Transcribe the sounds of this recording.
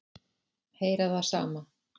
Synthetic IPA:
heːjɾaðθasa̰ːma

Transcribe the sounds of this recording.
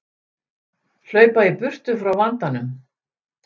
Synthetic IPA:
l̥œːɥpaipʏr̥t̪ʏfɾawvant̪anʏm

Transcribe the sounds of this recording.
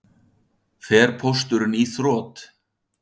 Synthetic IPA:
fɛːɾ̥pʰost̪ʏɾniːθrɔːt̪

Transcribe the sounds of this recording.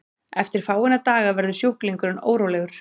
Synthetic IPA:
ɛft̪ɪɾ̥faːwɪnat̪aːɣavɛɾðʏsjowkliŋkʏɾʏno̰ːwɾowlɛɣʏɾ̥

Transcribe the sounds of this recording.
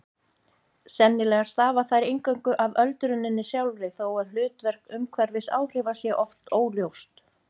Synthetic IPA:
sɛnːɪlɛɣast̪aːvaθajɾejŋkœɥŋkʏʔavœlt̪ɾʏnːɪnːɪsjawlɾɪθowaðl̥ʏːt̪vɛɾ̥kʏmkʰvɛɾvɪsa̰wr̥ɪːvasjɛʔɔft̪oːwljowst̪

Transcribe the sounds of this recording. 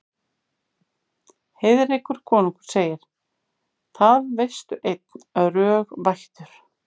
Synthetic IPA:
hejðɪɾekvʏɾ̥kʰɔːnuŋkʏɾ̥seːjɪɾ̥ | θaðvejst̪ʏʔejt̪naðrœːɣvajht̪ʏɾ̥

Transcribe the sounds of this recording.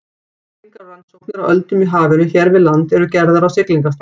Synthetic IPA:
iŋkɾalansowknɪɾawʔœlt̪ʏmiɦaːvɪnʏçɛɾvɪðlant̪ɛɾʏcɛɾðaɾawsɪkliŋkast̪

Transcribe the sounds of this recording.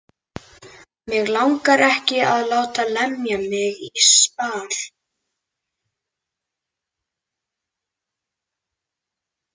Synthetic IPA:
mɪɣlawŋkaɾɛhcɪaðlaːwt̪alɛmjamɪɣispaːɾ̥

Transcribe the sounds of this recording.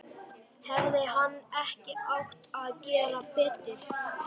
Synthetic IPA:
hɛvðɪɦanːɛhcɪawht̪aðcɛːɾapɛːt̪ɪɾ̥

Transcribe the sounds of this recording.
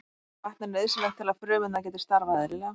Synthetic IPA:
vaht̪naɾnɛðsleht̪ʰːɪlaðfɾœːvʏnac̬ɛːt̪̬ɪ̥st̪aɾvaðɪlɪlɛɣa

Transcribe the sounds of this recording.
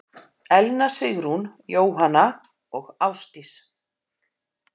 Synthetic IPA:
ɛlnasɪɣɾunjoːwɦana | ɔɣawst̪is

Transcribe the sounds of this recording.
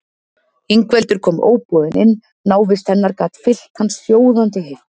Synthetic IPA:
iŋkvɛlt̪ʏɾ̥kʰɔːmo̰ːwpɔðɪnʔɪnː | aːwvɪst̪θɛnːaɾkaːt̪fɪl̥t̪hansːjoːwðant̪ɪɦejft̪

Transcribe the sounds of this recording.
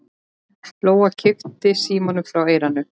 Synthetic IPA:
ploːwacʰɪft̪ɪsiːmɔnʏmfɾaweːjɾanʏ

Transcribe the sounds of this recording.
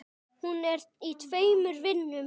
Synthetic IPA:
hunɛɾit̪ʰveːjmʏɾvɪnːʏm

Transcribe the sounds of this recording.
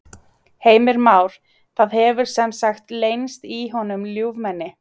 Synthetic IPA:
heːjmɪɾmaːwɾ̥ | θaːðhɛvʏɾ̥sɛmsaxt̪leːjnst̪iɦɔnʏmljuːvmɛnːɪ

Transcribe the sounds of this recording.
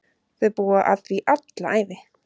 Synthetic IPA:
θʏðpuːaʔat̪viʔat̪laʔaːjvɪ

